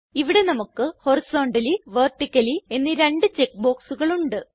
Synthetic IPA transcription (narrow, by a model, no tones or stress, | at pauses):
iʋiɽe̞nɐmukːɨho̞risoːɳɖɐliʋerʈːikʲːɐlie̞nːɨɾe̞ɳɖɨt͡ɕekːbo̞ːksuɣɐɭuɳɖɨ